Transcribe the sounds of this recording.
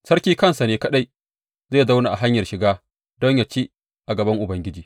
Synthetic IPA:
sɐ˦ɾkʲiː˦kɐ˦nsa˨neː˦kɐ˦ɗa˦j | zeː˦˨da˦wna˨ʔa˨ɦa˦ɲjɐ˨rʃɪ˨ɡaː˦ | dɔ˦ɲja˨t͡ʃiː˦ | ʔa˨ɡɐ˨bɐ˦ŋʔʊ˨bɐ˦ŋɡʲɪ˦d͡ʒiː˨

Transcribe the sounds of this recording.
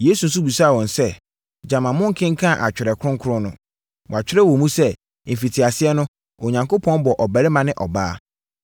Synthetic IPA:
jeː˨˦su˨n̩˦s̬u˦bi˨sa˦˨wɔ̃˨nsɛ˦ | d͡ʑã˨mã˨mʊ̃˦ŋ̩˦kʰɪ̃˦ŋ̩˦kʰã˦˨ʔa˨t͡ɕᶣɪ˨ɾɛ˨kʰʊ˦ʊ̃˦ŋ˦kʰʊ˦ɾʊ̃˦nʊ̃˦ | wɔ˨a˨t͡ɕᶣɪ˦ɾɛ˦wɔ̃˨mũ˦sɛ˦˨ | m̩˨fi˨tʰi˨a˨sɪ˦ɛ˦nʊ̃˦ | o˨ɲã˨ŋkʰo˦pʰɔ̃˦nbɔ˨ʔɔ˨bæ˨ɾɪ˦mã˦nɪ̃˦ʔɔ̰˨baː˦

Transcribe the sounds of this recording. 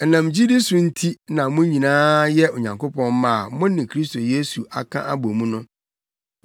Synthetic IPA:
nã˨m˨d͡ʑi˦di˦sʊ̃˨n̩˦tʰi˦nã˨mʊ̃˦ɲĩ˨nãː˦jɛ˦o˨ɲã˨ŋko˦pɔ̃˦n˦mã˦˨mʊ̃˦nɪ̃˨kʰɾi˦st̪ʰo˨je˦su˨ʔa̰˨kʰã̰˦ʔa˦bo˨mũ˦nʊ̃˦

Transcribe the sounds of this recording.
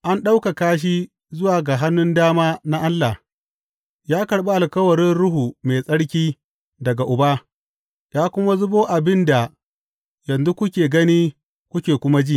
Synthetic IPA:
ʔa˦nɗa˦wka˨kaː˦ʃ̬i˦ | zʊ˦waː˨ɡa˨ɦa˦nːʊ˦ndaː˦maː˦na˦ʔa˦lːa˨ | jaː˦kɐ˨ɽɓa˦ʔa˨lkɐ˦wɐ˨ɾɪ˦nɽʊ˦ɦuː˨meː˨sʼɐ˦ɽkʲiː˦ | dɐ˨ɡa˨ʔʊ˨baː˦ | jaː˦kʷʊ˦ma˦zʊ˦boː˦ʔa˨bɪ˦nda˨ | jɐ˨nzu˦kʷʊ˦kʲeː˨ɡɐ˦niː˦ | kʷʊ˦kʲeː˨kʷʊ˦ma˦d͡ʒi˦˨

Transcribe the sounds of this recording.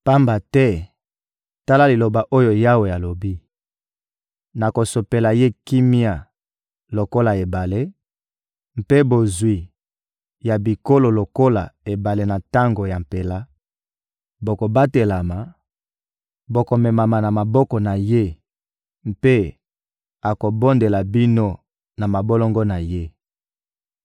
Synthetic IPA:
pa˦mba˨tɛ˦ | ta˦la˦li˨lo˨ba˨ʔo˦jo˨ja˦wo˨ja˨lo˨bi˦ | na˨ko˨so˨pe˨la˨je˦ki˦mi˦a˨ | lo˨ko˦la˨e˨ba˨le˦ | m˦pe˦bo˨zwi˨ | ja˨bi˨ko˦lo˨lo˨ko˦la˨e˨ba˨le˦na˨ta˦ŋɡo˨ja˨m̩˨pe˨la˦ | bo˨ko˨ba˦te˨la˨ma˨ | bo˨ko˨mɛ˨ma˨ma˨na˨ma˨bɔ˦kɔ˨na˨je˦ | m̩˦pe˦ | a˨ko˨bo˦nde˨la˨bi˦no˦ | na˨ma˨bo˦lo˦ŋɡo˦na˨je˦

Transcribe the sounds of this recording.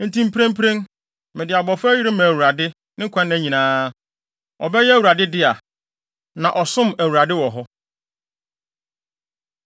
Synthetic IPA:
n̩˨tʰĩ˦m˦pʰɾẽ˦m˦pʰɾẽ˦n | mɪ̃˨dɪ˨a˨bɔ˨fʊ˦ji˦ɾɪ˦mã˨æ˨wu˨ɾa˨dɪ˦ | nɪ̃˦kʷʰã˦ñː˦ɲĩ˨nãː˦ | ɔ̰˨bɛ˦jɛ˦æ˦wu˨ɾa˨dɪ˦dɪ˦a˨ | nã˨ʔɔ˨sʊ̃˦mæ˨wu˨ɾa˨dɪ˦wɔ˨ɦɔ˦

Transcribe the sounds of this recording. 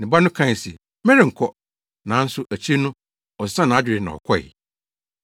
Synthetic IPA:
nɪ̃˨ba˦nʊ̃˦kʰã˦˨sɛ˨ | mɛ̃˦ɾɪ̃˨ŋ̩˨kʰɔ˦ | nã˨˦n̩˦sʊ˦ʔæ˨t͡ɕʰi˦nʊ̃˦ | ɔ˨sã˦nã˨a˦d͡ʑᶣɪ˨ɾɪ˨nã̰˨ɔ̰˨kʰɔ˦˨ɪ̰˨

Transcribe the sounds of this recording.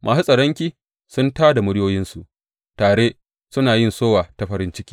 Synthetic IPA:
mʔaː˨su˦sʼɐ˨ɽɔ˦ŋkʲiː˦ | sʊ˦ntaː˦da˨mʊ˦ɽɪ˦joː˦jɪ˦nsu˨ʔ | taː˨ɽeː˦ | sʊ˦naː˨jɪ˦nsoː˦waː˨ta˨ɸɐ˦ɾɪ˦nt͡ʃɪ˦kʲiː˦

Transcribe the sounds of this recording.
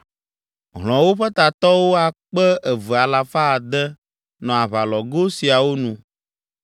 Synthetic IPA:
ɦl̃ɔ̃˨wo˦ɸɛ˦t̪a˨t̪ɔ˦wo˦a˨k͡pɛ˦ʔɛ˨və˨a˨la˨fa˦˨d̪ɛ˦ | nɔ̃˨a˨βa˨lɔ˨ɡo˦si˨a˨wo˦nũ˦

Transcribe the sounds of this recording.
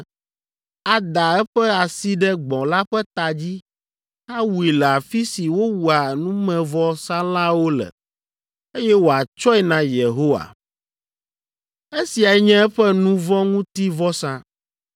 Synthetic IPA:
a˨d̪a˨ɛ˦ɸɛ˦a˨si˦ɖɛ˦ɡ͡bɔ̃˨la˦ɸɛ˦t̪a˨d͡ʑi˦ | a˦wu˨i˨lɛ˨a˨fi˦si˨wo˦wu˨a˨nũ˦mɛ̃˨vɔ˦sã˦lã˦wo˦lɛ̰˨ | e˦jɛ˦wo˨a˨t͡ʃɔ˦ɛ˨nã˨je˨ɦo˦wa̰˨ | e˦si˨a˨ɛ˦ɲɛ̃˦ɛ˦ɸɛ˦nũ˦vɔ̃˦ŋũ˦t̪i˦vɔ˦sã˦

